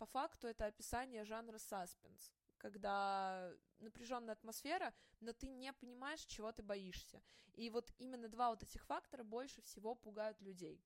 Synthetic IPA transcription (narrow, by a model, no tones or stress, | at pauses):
pɐfakt̪ʊɛt̪əɐpʲɪsanʲɪjəʐanɾəsaspʲɪns | kɐɡd̪a | nəpɾʲɪʐo̞nːəjəɐt̪mɐsfʲe̞ɾəno̞t̪ɨnʲepənʲɪmajɪʂt͡ɕɪvo̞t̪ɨbɐiʂsʲəivo̞t̪imʲɪnːəd̪vavo̞t̪ɛtʲɪxfakt̪əɾəbo̞lʲʂɨfsʲɪvo̞pʊɡajʊt̪lʲʉdʲej